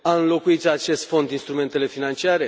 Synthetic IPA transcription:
aɨnlo̞kuit̪at͡ʃe̞st̪fo̞nd̪inst̪ɾume̞nt̪e̞le̞finant͡ʃiaɾe̞

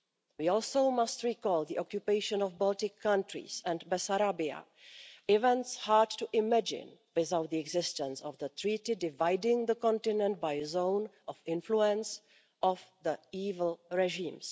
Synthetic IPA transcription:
wiːɔlsoʊmastɹiːkɔːld̪iʔɔkjupeɪʃɔ̃nɔfbɔltɪkʰːãntɹḭsɛ̃ndbɛsaɾabia̰ | ɪvɛ̃ntshaɹd̚tuʔɪmɛd͡ʒɪ̰̃nwɪθawt̪̚ðiɛɡzɪstə̃nsɔvðət̪ɹiːtɪdɪvajdɪ̃ŋðəkɔ̃ntɪnɛ̃nt̚bajzõʊnʔɔfɪ̃nfluɛ̃ns | ʔɔvðəiːvl̩ɹɛʒĩːms

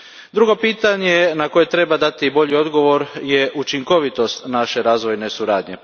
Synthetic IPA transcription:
d̪ɾuɡo̞piːt̪aɲenako̞je̞t̪ɾe̞bad̪at̪ibo̞ʎio̞d̪ɡo̞ʋo̞ɾjeʔut͡ʃiŋko̞ʋit̪o̞st̪naʃe̞ɾaːzʋo̞jne̞suɾaːd̪ɲe̞

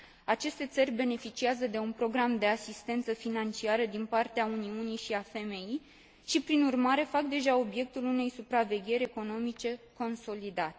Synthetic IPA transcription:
at͡ʃe̞st̪e̞t̪sərʲbe̞ne̞fit͡ʃiazəd̪e̞unpɾo̞ɡɾamd̪e̞asist̪e̞nt̪səfinant͡ʃiaɾəd̪inpart̪eauniunijʃiafe̞me̞ji | ʃipɾinurmaɾe̞fakd̪e̞ʒao̞bje̞k̚t̪ulune̞jsupɾave̞ɡʲe̞ɾʲe̞ko̞no̞mit͡ʃe̞ko̞nso̞lid̪at̪e

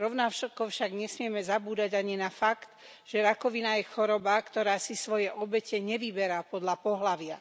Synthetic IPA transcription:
ɾɔʊnafʃɔkɔfʃaɡɲɛsmɪɛmɛzabuːd̪aɟaɲinafakt̪ | ʒ̥ɛɾakɔʋinajɛxɔɾɔbakt̪ɔɾaːsisʋɔjɛʔɔbɛcɛɲɛʋibɛɾapɔd̪ʎapɔɦlaʋɪa

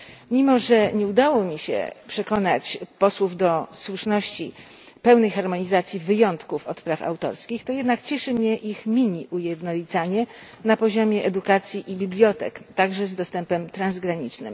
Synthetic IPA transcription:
mʲimɔʐɛɲɛud̪awɔmʲiɕɛ̰pʂɛkɔnat͡ɕpɔswuvd̪ɔswuʂnɔɕt͡ɕi | pɛwnɛjxaɾmɔɲizat̪sʲjivɘjɔnt̪kufɔt̪pɾafa̰wt̪ɔ̰ɾskʲixt̪ɔjɛd̪nakt͡ɕɛʂɘmɲɛʔixmʲiɲiʔujɛd̪nɔlʲit̪saɲɛ | napɔʑɔmʲjɛʔɛd̪ukat̪sʲjiʔibʲiblʲjɔt̪ɛ̰kt̪aɡʐɛzd̪ɔst̪ɛmpɛmt̪ɾanzɡɾaɲit͡ʂnɘ̰m

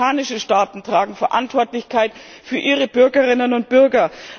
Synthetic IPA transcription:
aːnɪʃəʃtaːtn̩tʁ̥aːɡŋ̩fɛɐʔa̰ntv̥ɔɐtlɪçkʰaɪt | fyːɐʔiːʁəbʏɐɡəʁɪnənʊnt̚b̥ʏɐɡɐ

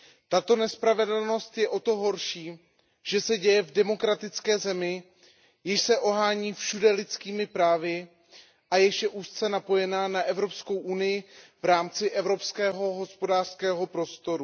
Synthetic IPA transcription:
t̪at̪o̞nɛspɾavɛdl̩no̞st̪jɛʔo̞t̪o̞ɦo̞ɾʃiː | ʒ̥ɛsɛɟɛjɛvdɛmo̞kɾat̪ɪt͡skɛːzɛmɪ | jɪʃsɛʔo̞ɦaːɲiːfʃudɛlɪt͡skiːmɪpɾaːvɪ | ʔajɛʃɛʔuːst͡sɛnapo̞jɛnaːnaʔɛvɾo̞psko̞wʔunɪjɪvɾaːmt͡sɪʔɛvɾo̞pskɛːɦo̞ɦo̞spo̞daːr̥skɛːɦo̞pɾo̞st̪o̞ɾu

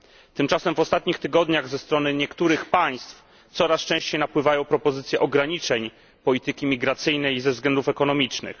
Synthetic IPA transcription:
t̪ɘmt͡ʂasɛmvɔst̪at̪̚ɲixt̪ɘɡɔd̪ɲaɣzɛst̪ɾɔnɘɲɛkt̪uɾɘxpaj̃st̪f | t̪sɔɾast͡ʂɛ̃w̃ɕt͡ɕejnapwɘvajɔ̃w̃pɾɔpɔzɘt̪sʲjɛʔɔɡɾaɲit͡ʂɛɲ | pɔlʲit̪ɘkʲimʲiɡɾat̪sɘjnɛjzɛvzɡlɛnd̪ufɛkɔnɔmʲit͡ʂnɘ̰x

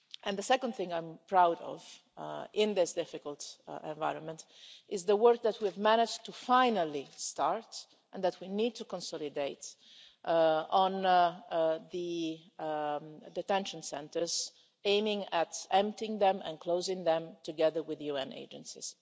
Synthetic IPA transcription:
ʔɛ̃nd̪əsɛkə̃nd̪θɪ̃ŋãɪ̃mpɹawɾɔ̰v | ʔɪ̃nðɪsdɪfɪkəlˠt̪ɛ̰̃ɱva̰ɪɾə̃nmɛ̃nt | ʔɪzðəwɜɹk̚ðæt̚ʰwivmænɪd͡ʒtufãɪnəlistɑɹt | ʔɛ̃nd̪ætʰwinid̚t̪ʰukɔ̃nsɔlideɪt | ʔɔ̃n | ðə | d̪ɛt̪ɛ̃nʃə̃nsɛ̃ntəz | ẽɪ̃mɪ̃ŋætɛ̃mp̚tɪ̃ŋðɛ̃mɛ̰̃nkloʊzɪ̃ŋðɛ̃mt̪uɡɛðə˞wɪðjuɛ̰̃nḛɪd͡ʒə̰̃nsḭz̥

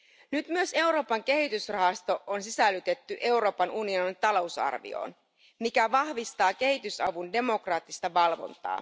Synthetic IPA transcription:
nyt̪myø̞se̞wɾo̞ːpɑŋk̟e̞ɦit̪ysrɑɦɑst̪o̞ʔonsisælːyt̪e̞t̪ːyʔe̞uɾo̞ːpɑnunio̞nint̪ɑlo̞wsɑ̰rʋḭo̰ːn | mikæʋɑhʋist̪ɑːk̟e̞hit̪ysɑʋunde̞mo̞krɑːt̪ːist̪ɑʋɑlʋo̞̰nt̪ɑ̰ː

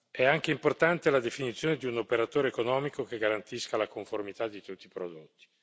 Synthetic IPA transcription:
ɛaŋk̟eimport̪ant̪elad̪efinit̪sːjoːned̪iunopeɾat̪oːɾeːkonɔːmikok̟eɡaɾant̪iskalakoɱformit̪ad̪ːit̪ut̪ːipɾod̪ot̪ːi̥

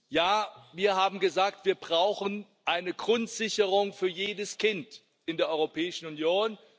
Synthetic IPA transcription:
jaːviːɐhaːbm̩ɡəzaːk̚tv̥iːɐbʁaʊxən | ʔaɪnəɡʁʊntz̥ɪçəʁʊŋfyːɐjeːdəskʰɪnt | ʔɪndeːɐʔɔʏʁopʰɛːɪʃn̩ʊnjoːn

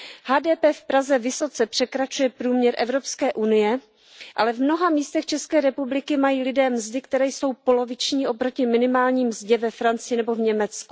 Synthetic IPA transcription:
haːdɛːpɛːfpɾazɛvɪso̞t͡sɛpr̥ɛkɾat͡ʃujɛpɾuːmɲɛɾʔɛvɾo̞pskɛːʔunɪjɛ | ʔalɛvmno̞ɦamiːst̪ɛxt͡ʃɛskɛːɾɛpublɪkɪmajiːlɪdɛːmzdɪkt̪ɛɾɛːjso̞wpo̞lo̞vɪt͡ʃɲiːʔo̞pɾo̞cɪmɪnɪmaːlɲiːmzɟɛvɛfɾant͡sɪjɪnɛbo̞vɲɛmɛt͡sku̥

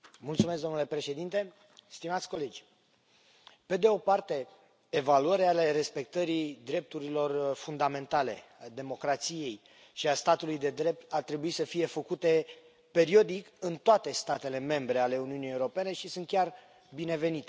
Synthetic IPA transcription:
mult̪sumes̬d̪o̞mnule̞pɾe̞ʃe̞d̪int̪e̞ | st̪imat̪sʲko̞le̞d͡ʒʲ | pe̞d̪e̞o̞part̪e̞ː | valuəɾeale̞ɾe̞spe̞k̚t̪əɾid̪ɾe̞p̚t̪uɾilo̞rfund̪ame̞nt̪ale̞̰ad̪e̞mo̞kɾat̪sije̞j | ʃiast̪at̪ulujd̪e̞d̪ɾe̞p̚t̪art̪ɾe̞buisəfije̞fəkut̪e̞ | pe̞ɾio̞d̪ikɨnt̪oat̪e̞st̪at̪e̞le̞me̞mbɾe̞ale̞uniunieuɾo̞pe̞ne̞ʃisunt̪̚kʲar | bine̞ve̞nit̪e

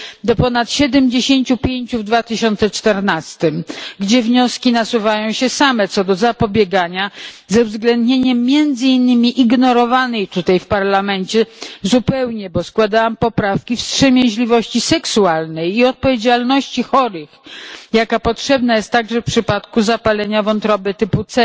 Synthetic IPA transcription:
d̪ɔpɔnat̪ɕɛd̪ɛmd͡ʑeɕeɲt͡ɕupʲjeɲt͡ɕuvd̪vat̪ɘɕɔnt̪sɛt͡ʂt̪ɛɾnast̪ɘmɡd͡ʑɛvɲɔskʲinasuvajɔ̃w̃ɕɛsamɛt̪sɔd̪ɔzapɔbʲjɛɡaɲazɛvzɡlɛnd̪ɲeɲɛmːʲjɛnd̪zɨinːɘmʲiʔiɡnɔɾɔvanɛjt̪ut̪ajfpaɾlamɛnt͡ɕɛzupɛwɲɛbɔskwad̪awampɔpɾafkʲifstʂɛmʲjɛ̃ʑlʲivɔɕt͡ɕisɛksualnɛjiɔt̪̚pɔvʲjed͡ʑalnɔɕt͡ɕixɔɾɘxjakapɔtʂɛbnajɛst̪ːaɡʐɛfpʂɘpat̪kuzapalɛɲavɔnt̪ɾɔbɛt̪ɘput̪sɛ

